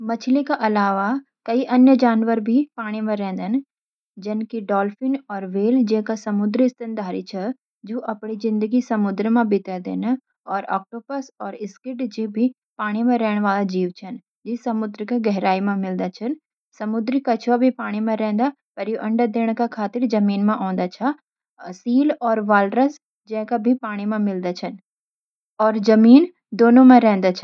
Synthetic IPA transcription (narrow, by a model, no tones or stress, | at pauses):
mɐt͡ʃʰlekaʔɐlaːʋa | kɐiʔɐnjəd͡ʒaːnʋəɾbʱipaːɽ̃imẽɾɛ̃ːnd̪ən | d͡ʒɐnkiɖɔːlfɪnɔːɾʋeːld͡ʒeːkasɐmʊd̪ɾist̪ənd̪aːɾḭt͡ʃʰɐ | d͡ʒoːʔɐpɽ̃izɪ̃nd̪əɡisɐmʊd̪ɾəmãbɪt̪ad̪ḛːna | ɔːɾɔ̰ːk̚ʈoːpəsɔːɾɪskɪʈd͡ʒibʱi | paːɽ̃imẽɾɛɦɽ̃ʋaːlad͡ʒiːʋt͡ʃʰɐn | d͡ʒɪsɐmʊd̪ɾkaɡɛɦɾaːimẽmɪld̪at͡ʃʰɐn | sɐmʊd̪ɾikat͡ʃʰʋabʱipaːɽ̃imẽɾɛ̃ːnd̪a | pɐɾjoʔɐ̃ɳɖəd̪eːɽ̃kakʰaːt̪ɪɾd͡ʒɐmiːnmẽʔɔ̃ːnd̪at͡ʃʰa | siːlɔːɾʋaːlɾəs | d͡ʒɛ̃ːkabʱipaːɽ̃imẽmɪld̪at͡ʃʰɐn | ɔːɾd͡ʒɐmiːn | d̪oːnõmẽɾɛ̃ːnd̪at͡ʃʰɐ